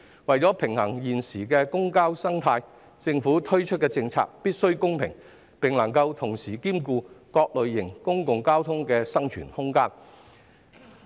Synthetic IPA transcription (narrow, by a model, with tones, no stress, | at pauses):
wɐ˨jt͡sɔː˨˥pʰɪ˨˩ŋhɐ˨˩ŋjiː˨nsiː˨˩kɛː˧kʊ˥ŋkaː˥wsɐ˥ŋt̪ʰaː˧j | t͡sɪ˧ŋfuː˨˥t̪ʰɵ˥ɥt͡ʃʰɵ˥t̚kɛ˧t͡sɪ˧ŋt͡sʰa̰ː˧k̚piː˥t̚sɵ˥ɥkʊ˥ŋpʰɪ̰˨˩ŋ | pɪ˨˩ŋlɐ˨˩ŋkɐ˧wt̪ʰʊ˨˩ŋsiː˨˩kiː˥mkuː˧kɔː˧k̚lɵ˨ɥːɪ˨˩ŋkʊ˥ŋkʊ˨ŋkaː˥wt̪ʰʊ˥ŋkɛː˧sɐ˥ŋt͡ʃʰy̰ː˨˩nhʊ˥ŋkaː˥n